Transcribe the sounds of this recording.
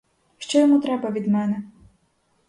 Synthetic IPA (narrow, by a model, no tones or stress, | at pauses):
ʃt͡ʃɔjɔmut̪ɾɛbɐʋʲid̪mɛnɛ